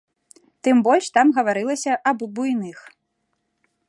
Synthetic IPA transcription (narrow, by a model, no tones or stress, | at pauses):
t̪ɨmbɔlʲʂt̪amɣɐvaɾɨlˠɐsʲɐʔɐbbujnɨx